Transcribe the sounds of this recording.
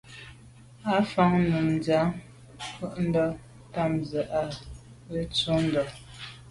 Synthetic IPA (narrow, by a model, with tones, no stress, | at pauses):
a˨˦fa˦ŋnə˨m˨d͡za˨˦ | fə˦ʔn̩˦dɔ˦ | ta˦˨mzə˨ʔa˨ | ə˦t͡su˦n̩˦dɔ˨